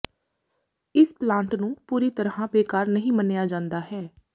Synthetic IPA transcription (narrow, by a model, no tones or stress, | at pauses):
ɪsplãːɳʈnũːpuːɾiːt̪əɾãːbeːkaːɾnəɦĩːmənejaːd͡ʒãːnd̪aːɦɛː